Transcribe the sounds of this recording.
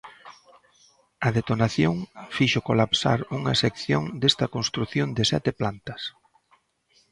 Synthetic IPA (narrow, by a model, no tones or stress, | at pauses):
ɐðet̪onaθjoŋfiʃokolapsa̰ɾuŋɐsekθjoŋd̪est̪ɐkonst̪ɾuθjond̪ɪsɛ̰t̪ɪplant̪ɐs